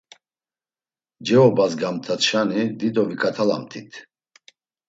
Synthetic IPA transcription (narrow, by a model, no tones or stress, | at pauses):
d͡ʒɛɔbazɡamt̪ʰaʃanid̪id̪ɔvikʼat̪ʰala̰mt̪ʰit̪ʰ